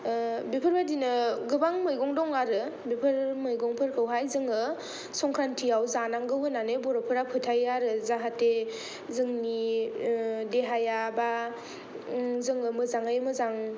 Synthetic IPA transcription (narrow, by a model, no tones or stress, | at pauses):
bipʰɯɾbadinɯɡɯbaŋmɯjɡɔŋdɔŋaɾɯbipʰɯɾmɯjɡɔŋpʰɯɾkʰɯwɦajzɯŋɯ | sɔŋkʰɾantʰiawzanaŋɡɯwɯnanebɔɾɔpʰɯɾapʰɯtʰajaɾɯzaɦate | zɯŋni | deɦajaba | zɯŋɯmɯzaŋajmɯzaŋ